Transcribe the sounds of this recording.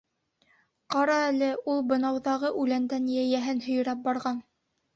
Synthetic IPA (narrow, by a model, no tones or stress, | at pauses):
qɑɾɑælɘulˠbɤ̆nɑwðɑʁɤʔʉlænd̪ænjæjæɦɘnhɵ̆jɤ̆ɾɑp̚bɑɾʁɑn